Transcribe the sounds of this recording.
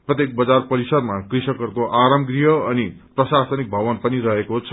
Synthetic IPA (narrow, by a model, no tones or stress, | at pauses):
prʌt̪jek̚bʌd͡zarpʌɾisʌdmakrisʌkʌrkoʔaɾʌmɡrijʌʌniprʌsasʌnik̚bʱʌβʌnpʌniɾʌɦekot͡sʰ